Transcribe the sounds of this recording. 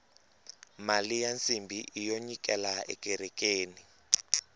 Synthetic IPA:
malijant͡sʼimbʱiʔijoɲik̬ʼɛlaɛ̰kʼɛɾɛk̬ʼeːni

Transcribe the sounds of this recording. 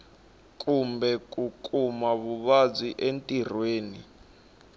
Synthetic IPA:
kʼumbɛk̬ʼukʼumaβuβad͡ziʔentʼir̤weːnḭ

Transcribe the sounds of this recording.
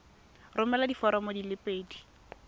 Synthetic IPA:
rʊmɛladifɔɾɔmodilɪpʼeːdi

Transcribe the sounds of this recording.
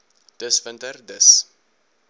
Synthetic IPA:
d̥əsfəntərdəs

